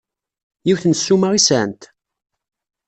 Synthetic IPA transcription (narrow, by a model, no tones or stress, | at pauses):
jiwθnsːumaʁisænt̪